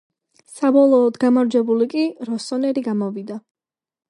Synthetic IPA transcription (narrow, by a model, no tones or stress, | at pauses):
sabɔlˠɔːd̪ɡamaɾd͡ʒɛbulikʼiɾɔsɔnɛɾiɡamɔvid̪a